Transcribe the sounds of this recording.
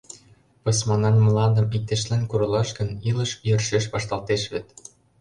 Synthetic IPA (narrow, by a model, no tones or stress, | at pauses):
pɤ̆smɑnɑnməlɑnd̪ə̆mik̚t̪eʃlænkuɾɤ̆lɑʃɡə̆nilə̆ʃjø̆rʃeʃβɑʃt̪ɑlt̪eʃβet̪